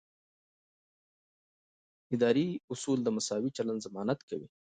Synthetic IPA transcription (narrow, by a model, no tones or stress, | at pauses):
ɪd̪ɑːɾiʊsuld̪əmasɑwit͡ʃaland̪zamɑnat̪kawḭ